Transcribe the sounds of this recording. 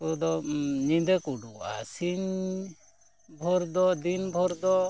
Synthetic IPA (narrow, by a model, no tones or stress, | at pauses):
kɔd̪ɔɲind̪ɛkuɖuʔa̰siɲ | bʱɔɾd̪ɔd̪inbʱɔɾd̪ɔ